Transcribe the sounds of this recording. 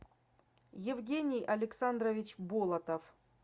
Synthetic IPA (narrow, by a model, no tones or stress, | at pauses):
jɪvɡʲenʲɪjɐlʲɪksand̪ɾəvʲɪt͡ɕbolˠɐt̪əf